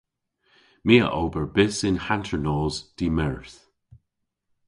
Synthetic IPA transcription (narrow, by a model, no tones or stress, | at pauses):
miːə̰ʔowbəɹbɪsɪnhantʰəɹnɔːzd̥imɛɹθ